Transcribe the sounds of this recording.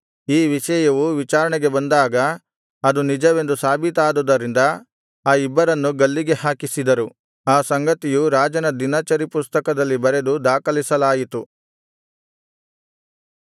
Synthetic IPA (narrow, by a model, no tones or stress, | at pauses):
iːʋiʃɐjɐʋuʋit͡ʃaːɾɐɳɛɡebɐnd̪aːɡɐː | d̪unid͡ʒɐʋe̞nd̪usaːbʱit̪aːd̪ud̪ɐɾind̪ɐ | aːibːɐɾɐnːuɡɐlːiɡe̞haːkisid̪ɐɾu | aːsɐŋɡɐt̪ijuɾaːd͡ʒɐnɐd̪inɐt͡ʃɐɾipust̪ɐkɐd̪ɐlːibɐɾe̞d̪ud̪aːkɐlisɐlaːjit̪u